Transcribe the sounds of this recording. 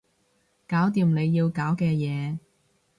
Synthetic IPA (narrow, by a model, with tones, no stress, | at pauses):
kaː˨˥wt̪̬iː˨˧mne˨˧jːiː˧wkaː˨˥wkɛː˧jɛː˨˧